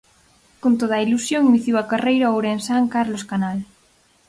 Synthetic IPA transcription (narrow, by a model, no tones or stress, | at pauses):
kont̪oð̞ɐilusjoŋiniθjiwakarejɾaowɾensaŋkaɾloskanal